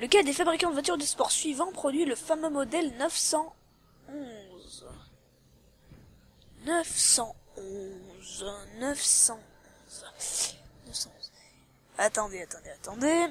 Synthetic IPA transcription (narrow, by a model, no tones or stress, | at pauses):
ləkad̪efabʁikɑ̃d̪əvwat̪yʁd̪əspɔʁsɥivɑ̃pχɔd̪ɥiləfamømɔd̪ɛlnœfsɑ̃ | ɔ̃z | nœfsɑ̃ɔ̃znəfsɑ̃ɔ̃z | nəsɑ̃ɔ̃z | at̪ɑ̃d̪eat̪ɑ̃d̪eat̪ɑ̃d̪e